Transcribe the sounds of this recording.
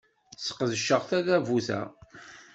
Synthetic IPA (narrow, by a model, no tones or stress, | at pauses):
sqːəðʃːəʁθæðævuθæ̰